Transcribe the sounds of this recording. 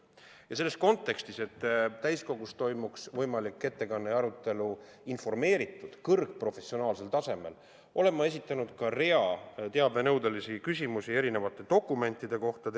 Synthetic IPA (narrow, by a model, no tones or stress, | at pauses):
jɑse̞lːe̞sko̞nt̪ːˑe̞kst̪ise̞t̪ːt̪ːæjsko̞ɡ̥ust̪o̞jmuksvɤjmɑlikːˑe̞t̪ːe̞kɑnːeɑɾut̪ːˑe̞lu | info̞rme̞ːɾit̪ːˑud̪̥kɤrɡ̥̚pro̞fe̞sio̞nɑːlse̞lt̪ɑse̞me̞̰l | ʔo̞le̞mːɑe̞sit̪ːˑɑnud̪̥kɑre̞ɑt̪e̞ɑbvenɤwd̪elisikysʲimusie̞ɾine̞vɑt̪ːˑe̞t̪o̞kːˑume̞nʲt̪ˑːid̪̥e̞ko̞ht̪ɑ